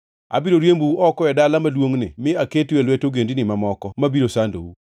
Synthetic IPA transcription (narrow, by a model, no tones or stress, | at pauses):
a̰biɾoɾjembuuʔɔkɔɛdalamadwoŋnɪ̰mɪaketwelwetoɡendinɪmamɔkɔmabiɾosando̰wu